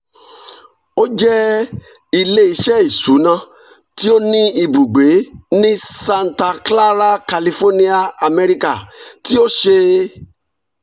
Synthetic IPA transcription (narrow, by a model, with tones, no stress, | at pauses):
o˦d͡ʒɛ˦ | i˧le˦i˨˦ʃɛ˦i˨su˨˦nã˧ | ti˦o˦nĩ˦i˨bu˨ɡ͡be˨˦nĩ˦sã˧n̩˨ta˧kla˦ɾa˦ka˨li˧fo˦nĩ˦a˧a˧me˧ɾi˧ka˦˨ti˦o˦ʃe˧